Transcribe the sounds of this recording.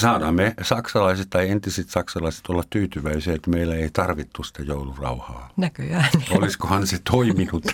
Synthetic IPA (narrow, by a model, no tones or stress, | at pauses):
sɑːdɑmːesɑksɑlɑiset̪t̪ɑient̪isit̪sɑksɑlɑise̥t̪olːɑt̪t̪yːt̪yʋæisiæet̪ːmeilːæeit̪ɑrʋit̪ːussi̥t̪æjoulurɑ̰uhɑ̰ːnækyjæːnoliskohɑnset̪ʰoiminut̪ː